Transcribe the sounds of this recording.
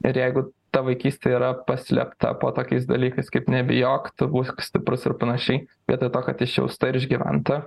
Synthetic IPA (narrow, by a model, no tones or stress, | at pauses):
ɪɾjɛɪɡʊt̪ɐʋɐɪkʲiːsʲt̪ʲeiːɾɐpɐsʲlʲɛ̰pt̪ɐ̰po̰ːt̪oːkʲɛɪs̬d̪ɐlʲiːkɐɪskɐɪpnʲɛbʲɪjoːkt̪ʊbuːksʲt̪ʲɪpɾʊsɪɾpɐnɐʃʲɛɪʋʲḭɛt̪oːt̪oːkɐt̪ʲɪʃʲɛ̰ʊst̪ɐɪɾɪʒʲɡʲiʋʲɛ̰nt̪ɐ